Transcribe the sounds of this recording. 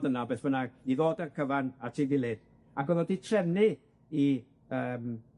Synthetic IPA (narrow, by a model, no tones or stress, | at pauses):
dənabeːθbənaɡiðoːdərkʰəvanatʰiːvɪlˠɨd̥ | aɡɔðɔditʰrɛnɨ | i | əːm